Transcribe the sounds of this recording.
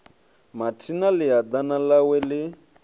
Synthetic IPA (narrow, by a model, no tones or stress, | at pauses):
matʰinalɪad̪analawɛlɪ